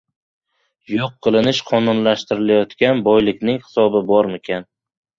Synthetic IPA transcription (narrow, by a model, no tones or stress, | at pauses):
joqʰːɨlˠɪnɪʃqʰɒnunlaʃt̪ɪɾɪlajɒt̪kʲanbɒjlɪkʲnɪŋhɪ̥sɒbɪbɒɾmɪkʲʰan